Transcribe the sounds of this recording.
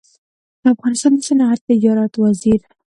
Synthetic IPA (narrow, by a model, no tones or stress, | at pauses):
d̪̥əafɣɑnɪst̪ɑnd̪əsənaaɾt̪ɪd͡ʒɑɾɑt̪waziɾ